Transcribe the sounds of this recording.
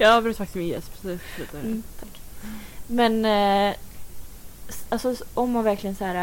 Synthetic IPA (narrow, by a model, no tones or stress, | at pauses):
jɑabɾʉt̪fak̪t̪ɪ̥smɪnjɛ̰st̪pɾɛsɔɛsslʉ̰ːt̪aɛt̪ʰakː | mɛn | alsɔʔɔmːanvæɾklɪənsæːɾa